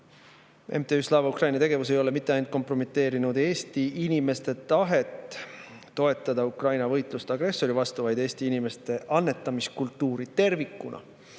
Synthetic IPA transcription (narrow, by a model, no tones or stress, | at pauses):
e̞̰mt̪e̞yslɑːvɑukrɑjnɑt̪e̞ɡe̞vus̬e̞jo̞le̞mit̪ːˑeɑjnut̪̚ko̞mpro̞met̪ːˑe̞ːɾinud̪̥e̞ːst̪iinʲime̞st̪e̞t̪ɑɦe̞t̪ː | o̞e̞t̪ˑːɑd̪̥ɑukrɑjnɑvɤjt̪ˑlust̪ɑɡre̞sːo̞ɾivɑst̪uvɑjd̪e̞ːsʲt̪iinime̞st̪e̞ʔɑnːe̞t̪ːˑɑmiskult̪ːuːɾit̪e̞rvikːˑunɑ̰